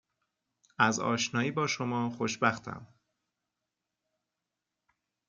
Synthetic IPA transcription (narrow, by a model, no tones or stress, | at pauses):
æzɒ̰ːʃnɒːiːbɒːʃomɒːxoʃbæxt̪ʰæ̰m